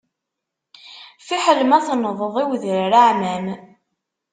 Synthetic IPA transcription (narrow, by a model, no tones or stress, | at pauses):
fiħələmæθnəðˤəðˤiwðəɾɾaʕmæm